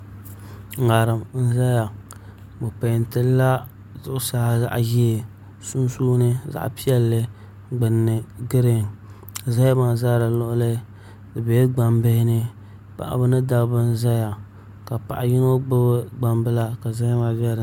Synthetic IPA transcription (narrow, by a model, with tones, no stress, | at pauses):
ŋa˨ɾɨ˨mn̩˦za˦ja˨ | bo˨pa˨n˨tɨ˦lla˦ | zʊ˦ʔʊ˦sa˦ha˦za̰˦ʔji˦e˨ | su˦n˦suː˦nɨ˦za̰˦ʔpi˦ɛ˦lːɨ˦ | ɡ͡bɨ˨nːɨ˨ɡɨ˦ɾe˨ŋ˨ | za˦ma˨za˦dɨ˨lʊ˦ʔʊ˦lɨ˦ | dɨ˨bɛ˨˦ɡ͡ba˨mbɨ˦hɪ˦nɨ˦ | pa̰˨ʔa̰˨bɨ˦nɨ˦da˦bɨ˦n̩˦za˦ja˨ | ka˨pa̰˨ʔa˨jɪ˦no˦ɡ͡bɨ˦bɨ˦ɡ͡ba˦mbɨ˦la˦ka˨za˦ma˨bɛ˦˨